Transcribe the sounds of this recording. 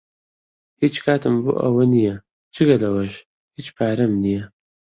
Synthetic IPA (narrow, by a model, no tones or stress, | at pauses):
hit͡ʃkʰaːt̪ʰɨmbṵʔɐ̰wɐnijɐ | t͡ʃʰɨɡɐlɐwɐʃ | hit͡ʃpʰaːɾɐmnijɛ